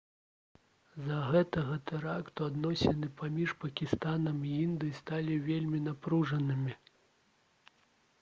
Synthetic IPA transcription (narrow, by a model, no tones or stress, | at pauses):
zɐɣɛt̪ɐɣɐt̪ɛɾakt̪uad̪nɔsʲɛnɨpʰamʲiʂpɐkʲist̪anɐmiind̪ɨjist̪alʲivʲelʲmʲinapɾuʐɐnɨmʲi